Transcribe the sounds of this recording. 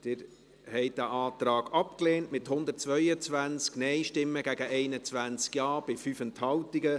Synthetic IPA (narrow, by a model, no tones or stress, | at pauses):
d̪̥ɪːɾ | hɛɪt̚dæʔɑːt̪ɾɑːɡɑpkleːntmɪthʊnd̪ətt͡sʋœʏət͡sʋænt͡sknɛɪʃtɪmːəɡæɡəʔɛɪnət͡sʋænt͡skjɑːb̥ɪfyfənthɑʊtiɡə